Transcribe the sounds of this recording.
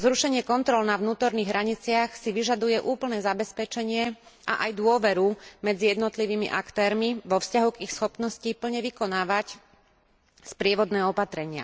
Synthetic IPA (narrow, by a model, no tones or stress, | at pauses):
zɾuʃɛɲɪɛkɔnt̪ɾɔlnaʋnuːt̪ɔɾniːɣɦɾaɲit͡sɪaxsiʋiʒad̪ujɛʔuːpl̩nɛːzabɛspɛt͡ʃɛɲɪɛʔa̰ʔajd̪ʊɔʋɛɾumɛd͡zijɛd̪nɔt̪liʋiːmḭʔakt̪ɛːɾmiʋɔfscaɦuɡixsxɔpnɔscipl̩ɲɛʋikɔnaːʋac | spɾɪɛʋɔd̪nɛːɔpat̪ɾɛɲɪa̰